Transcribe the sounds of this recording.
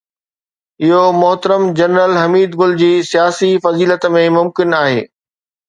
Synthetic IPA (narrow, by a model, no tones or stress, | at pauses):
ɪɦomʊɦt̪əɾəmd͡ʑɐnɾəlɦɐmiːd̪ɡʊld͡ʑiːsijaːsifɐziːlət̪mẽmʊmkɪnaːɦḛː